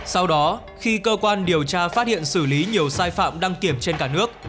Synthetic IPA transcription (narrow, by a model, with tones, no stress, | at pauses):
sa˧wɗɔ˨˦ | xi˧kəː˧kwaː˧nɗi˨˩əwt͡ɕaː˧faː˦˥t̚hḭ˧˨ənsɨ˧˩li˨˦ɲi˨˩əwsaː˧jfa̰ː˧˨mɗa˧ŋk̪i˧˩əmt͡ɕe˧nkaː˧˩nɨ˦˥ək̚